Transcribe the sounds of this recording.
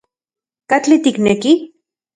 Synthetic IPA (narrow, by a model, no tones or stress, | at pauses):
kat͡ɬit̪ikneki